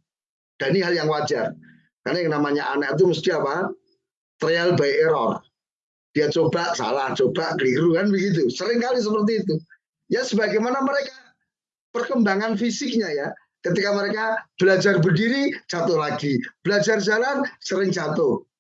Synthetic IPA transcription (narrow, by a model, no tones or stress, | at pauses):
d̥a̤niɦaljaŋwad͡ʒa̰r | karnajaŋnamaɲaʔa̰nakit̪̬uməst̪iapa | t̪ɾealbaɪʔeɾɔ̰r | d̥ijat͡ʃobaʔsa̰laht͡ʃob̥aʔɡəliɾukanbəɡit̪̬usəɾɪŋkalis̬əpərt̪̬iːt̪u | jasəbaɡajmanaməɾeka | pərkəmbaŋanfisɪk̚ɲaja | kət̪ikaməɾekab̥əlad͡ʒarbərdiɾi̥d͡ʒ̥at̪ʊhlaɡib̥əlad͡ʒard͡ʒalansəɾɪŋd͡ʒat̪ʊh